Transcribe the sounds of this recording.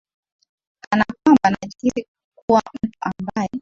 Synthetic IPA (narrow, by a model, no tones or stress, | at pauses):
anakwambanaʄiɾi | kuwam̩tuʔambajɛ